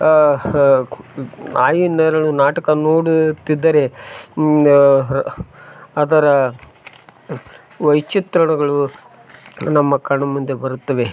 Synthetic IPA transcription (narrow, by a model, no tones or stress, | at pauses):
aːjinɐɾɐɭːunaːʈɐkɐnoːɽut̪id̪ːɐɾe̞ | ɐd̪ɐɾɐ | ʋɐjt͡ʃit̪ɾɐɳɐɡɐɭu | nɐmːɐkɐɾɐɳɐmund̪e̞bɐɾut̪ːɐʋe̞